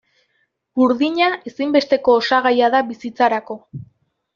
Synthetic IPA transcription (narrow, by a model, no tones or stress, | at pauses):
buɾðiɲae̞simbe̞st̪e̞ko̞ːsaɣajaðaβisit͡saɾako̞